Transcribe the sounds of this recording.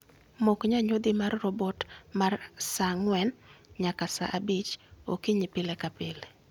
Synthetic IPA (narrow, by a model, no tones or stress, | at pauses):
mokɲaɲod̪imarːɔbɔtmarsaŋwɛnɲakasa̰ʔabit͡ʃo̰kiɲipɪlekapɪle